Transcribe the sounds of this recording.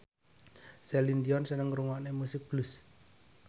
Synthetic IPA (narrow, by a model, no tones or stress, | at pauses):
sɛlind̪iɔnsənəŋɾuŋaʔnemusɪk̚b̥lʊs